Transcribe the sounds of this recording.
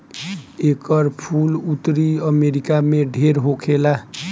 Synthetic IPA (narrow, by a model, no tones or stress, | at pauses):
ekəɾpʰulut̪ɾiəmeɾikameɖʱeɾɦokʰela